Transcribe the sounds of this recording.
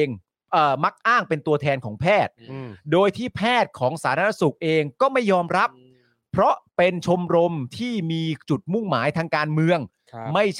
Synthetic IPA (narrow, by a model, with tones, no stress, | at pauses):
ŋ | ʔɤː˨˩ma˦˥k̚ʔaː˥˩ŋpe˧nt̪u˧ɐt̪ʰɛː˧nkʰɔː˩˦ŋpʰɛː˥˩t̪̚doː˧jt̪ʰiː˥˩pʰɛː˥˩t̪̚kʰɔː˩˦ŋsaː˩˦t̪ʰaː˦˥˧su˨˩k̚ʔeː˧ŋkɔː˥˩ma˥˩jːɔː˧mɾa˦˥pʰː | ɾɔ˦˥ʔpe˧nt͡ɕʰo˧mɾo˧mt̪ʰiː˥˩miː˧t͡ɕu˨˩t̪̚mu˥˩ŋmaː˩˦jt̪ʰaː˧ŋkaː˧nmɯ˧əŋ | ma˥˩j